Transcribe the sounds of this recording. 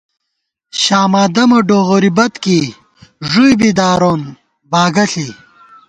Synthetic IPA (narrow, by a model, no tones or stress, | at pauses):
ɕaːmaːd̪ɐmɐɖoːʁoɾibɐt̪ki | ʐujbid̪aːɾon | baːɡɐɬi